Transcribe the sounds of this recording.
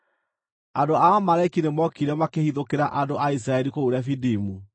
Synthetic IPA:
andoamaɾaikinemɔkiɾɛmakehiðokeɾaʔadoʔais̬ɾaɛɾikouɾɛfidimu

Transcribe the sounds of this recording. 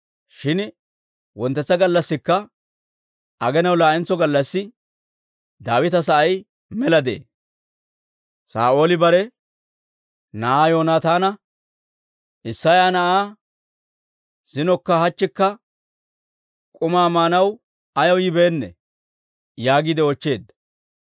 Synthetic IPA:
ʃɪn | wɔnt̪ːɛt͡sːɐɡɐlːɐsːɪkːɐ | ʔɐɡɛnɐwlaːɪnt͡sːɔɡɐlːɐsːɪ | d̪aːwɪt̪ɐsɐʔɐj | mɛlɐd̪ḛː | sa̰ːʔo̞ːlɪbɐɾɛ | nɐʔaːjo̞ːnaːt̪aːnɐ | ʔɪsːɐjaːnɐʔaː | z̥ɪnɔkːɐhɐt͡ʃːɪkːɐ | kʼʊmaːmaːnɐw | ɐjɐwjɪbe̞ːnːɛ̰ | jaːɡɪd̪ɛɔt͡ʃːe̞ːd̪ːɐ̥

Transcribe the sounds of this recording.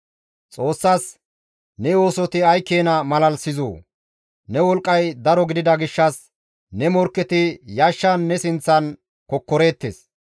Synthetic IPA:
t͡sʼo̞ːsːaːs | nɛo̞ːsɔt̪ɪɐjkːeːnɐmɐlɐlsɪzo̰ː | nɛwɔlkʼːɐjd̪ɐɾɔɡɪd̪ɪd̪ɐɡɪʃːɐs | nɛmɔɾkːɛt̪ɪjaʃːɐnːɛsɪnt͡sːɐn | kɔkːɔɾe̞ːt̪ːḛs

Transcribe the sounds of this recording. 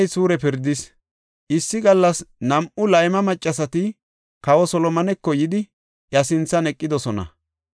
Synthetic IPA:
jsuːɾɛpɪɾd̪ɪs | ʔɪsːɪɡɐlːɐsnɐmʔʊlɐjmɐmɐt͡ʃʼːɐsɐt̪ɪ | kɐwɔsɔlɔmɐnɛkːɔjɪd̪ɪ | jɐsɪnt͡sːɐnɛkʼːɪd̪ɔsɔnɐ̰

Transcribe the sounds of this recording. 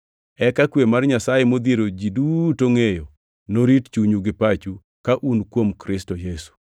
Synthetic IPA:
ɛkakwemarɲasajemod̪eɾod͡ʒidutoŋejo | noɾitt͡ʃuɲuɡɪpat͡ʃu | kaʔunkwomkɾɪstojesu̥

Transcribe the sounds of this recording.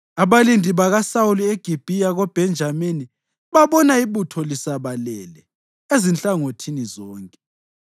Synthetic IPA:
aβalindʱʼiβaɣasaulieɡ̥ʱib̥ʱijaɣɔb̥ʱɛnd͡ʒʱamini | βaβɔnaiβutʰɔlisaβalɛlɛ | ezint͡ɬʼaŋotʰinizɔːŋkʼɛ

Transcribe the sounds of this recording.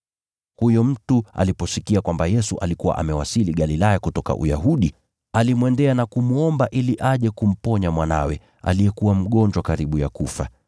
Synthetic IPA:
hujɔm̩tua̰lipɔsikiakwambajɛsuʔa̰likuwa̰ʔamɛwasiliɠalilajakutɔka̰ʔṵja̰ɦuɗi | alimwɛndɛanakumuɔmbaʔiliʔaʄɛkum̩pɔɲamwana̰wɛ | a̰liɛkuwam̩ɠɔɲd͡ʒwakaɾiɓuja̰kufa̰

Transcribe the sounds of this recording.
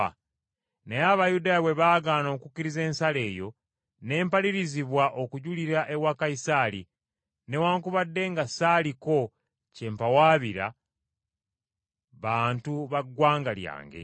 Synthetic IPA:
nejaβajudaːjiwe̞βaːɡaːno̞kukːiɾize̞ːnsale̞ːjo̞ | ne̞ːmpaliɾiziβwaʔo̞kuɟuliɾaʔe̞wakaisaːlḭ | ne̞waːŋkuβadːe̞ŋɡasaːliko̞ | ce̞ːmpawaːβiɾa̰ | βaːntuβaɡwaːŋɡalja̰ːŋɡḛ

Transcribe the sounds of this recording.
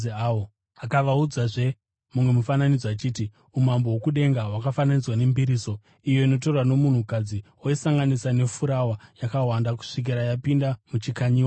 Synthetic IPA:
ao | akaʋaud͡zaʐe̞ | mumwe̞mufananid͡zwat͡ʃiːti | um̤ambowokuɗe̞ŋɡawakafananid͡zwane̞mbiɾiːso̞ | ijo̞ino̞t̬o̞rwano̞mun̤ukad͡ziwoisaŋɡanisane̞fuɾawajakawandaku̥ʂik̬iɾajapindamut͡ʃikaɲiːa

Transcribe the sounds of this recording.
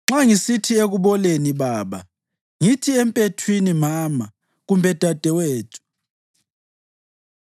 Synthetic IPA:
ŋ͡ǁaŋisitʰieɣuβɔleniβaːβa̰ | ŋitʰiɛmpʼetʰwinimama | ɣumbʱɛd̥ʱad̥ʱɛweːtʰu̥

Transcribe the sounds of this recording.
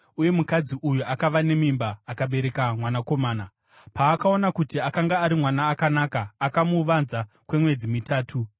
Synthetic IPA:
uje̞mukad͡ziʔujuakaʋane̞mimbaːkaɓe̞ɾe̞kamwanako̞maːna | paːkao̞nakutiakaŋɡaːɾimwanaːkanakaːkamuʋanza | kwe̞mwe̞d͡zimitaːtʰu

